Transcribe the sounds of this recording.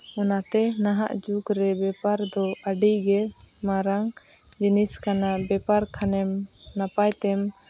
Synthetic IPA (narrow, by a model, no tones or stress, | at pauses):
ɔnat̪ɛnaɦa̰ʔd͡ʒukɾɛbɛpaɾd̪ɔaɖiɡɛ | maɾaŋ | d͡ʒiniskanabɛpaɾkʰanɛm | napajt̪ɛm